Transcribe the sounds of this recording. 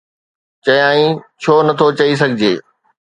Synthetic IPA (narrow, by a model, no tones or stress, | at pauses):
t͡ɕɐjãːĩt͡ɕʰoːnɐt̪ʰot͡ɕɐis̬ɐɡʱɪd͡ʑeː